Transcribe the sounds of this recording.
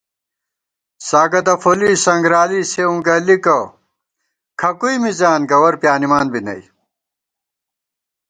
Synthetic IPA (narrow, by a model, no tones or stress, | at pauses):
saːɡɐt̪ɐfʰoliːsɐŋɡɾaːliseũɡɐlikɐ | kʰɐkuimizaːnɡɐwɐɾpjaːnimaːnbinɐ̰i